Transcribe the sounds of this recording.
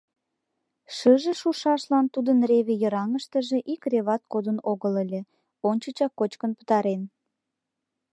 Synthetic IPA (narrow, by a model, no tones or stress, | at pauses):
ʃəʒeʃuʃɑʃlɑnt̪ud̪ənreβejə̆ɾɑŋəʃt̪əʒĕʔikreβɑt̪̚kod̪ənoɣələlʲĕ | onʲt͡ɕət͡ɕɑkːot͡ɕkənpə̥t̪ɑɾen